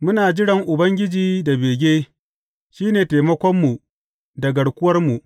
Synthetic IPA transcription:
mʊ˦naː˨d͡ʒɪ˦ɽɐ˨ŋʔʊ˨bɐ˦ŋɡʲɪ˦d͡ʒiː˦da˨beː˨ɡʲeː˦ | ʃiː˦neː˨teː˨mɐ˦kʷɔ˦mːu˨ | da˨ɡɐ˨ɽkʷʊ˦wɐ˦rmu˨ʔ

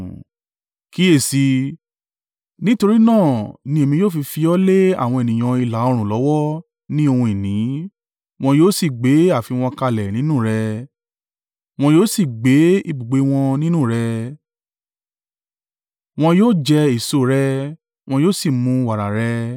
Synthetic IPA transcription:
ki˨˦e˦˨si˧ | nĩ˦to˧ɾi˦nãː˦˨nĩ˧˦e˨mĩ˧joː˦˨fi˧fi˧ɔ˦le˦a̰˦˨w̃ɔ̃˧e˨nĩ˨j̃ã˧i˧la˨˦o˧ɾ̃ũ˨lɔ˨˦wɔ˦ | nĩ˦o˧hũ˧e˨nĩ˨˦ | w̃ɔ̃˧joː˦si˦˨ɡ͡be˨˦a˦˨fi˨˧˦w̃ɔ̃˧ka˧lɛ˨nĩ˨˦nũ˦˨ɾɛ˧ | w̃ɔ̃˧joː˦si˦˨ɡ͡be˨˦i˧bu˨ɡ͡be˨˧w̃ɔ̃˧nĩ˦nũ˦˨ɾɛ˧ | w̃ɔ̃˧joː˦˨d͡ʒɛ˧i˨so˧˨ɾɛ˧ | w̃ɔ̃˧joː˦˨si˦˨mũ˧wa˨ɾa˨ɾɛ˧

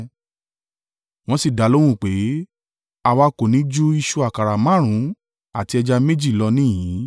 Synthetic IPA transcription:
w̃ɔ̃˦si˦˨da˨˦lo˦w̃ũ˦˨k͡pe˨˦ | a˧wa˧ko˨nĩ˨˦d͡ʒu˦i˧ʃu˧a˦˨ka˨ɾa˨mã˦˨ɾ̃ũ˨˦ | a˦˨ti˧ɛ˧d͡ʒa˧me˦d͡ʒi˦˨lɔ˧nĩ˦jĩ˨˦

